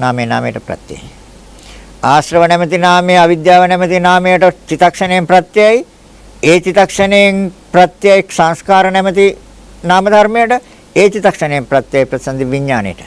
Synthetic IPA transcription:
naːmeːna̰ːmḛjʈəpɾɐ̰t̪ja̰j | aːsɾəʋənɛmət̪inaːmeːaʋid̪jaːʋənɛmət̪inaːmejəʈət͡ʃit̪ɐkʂɐnejempɾɐt̪ːjaj | eːt͡ʃit̪ɐkʂɐnejnprɐt̪jajiksãŋskaːɾənɛmət̪i | naːmɐd̪ʱɐɾmejəʈə | eːt͡ʃit̪ɐkʂənejempɾɐt̪ːjajpɾɐt̪isɐnd̪iʋiɲːaːnḛjəʈə̥

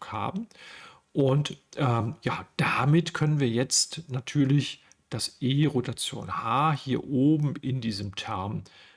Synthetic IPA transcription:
kha̰ːbm̩ | ʔʊntʔɛːmjaːd̥amɪtkʰœnənviːɐjɛt͡stnatʰyːɐlɪç | d̥asʔeːʁotat͡sjo̰ːnhaːhiːɐʔoːbm̩ɪndiːzəmtʰɛɐm

